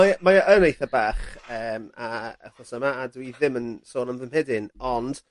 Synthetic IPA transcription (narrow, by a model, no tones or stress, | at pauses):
mamaʔənejθabaːχəːmaə̰χɔsəmaadwiðɪmənsoːnəmðɪmhɛdɪnɔnd̥